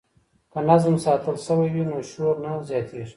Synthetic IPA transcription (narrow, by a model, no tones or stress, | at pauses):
kənazmsɑːt̪əlsəwajwinoʃoɾnazjɑːt̪ʰeʐi̥